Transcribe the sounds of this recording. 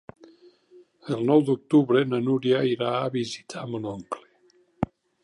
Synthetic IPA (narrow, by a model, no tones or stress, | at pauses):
əlˠnɔwd̪uk̚t̪uβɾenanuɾjaiɾaːβizit̪ʰamonɔŋkle̥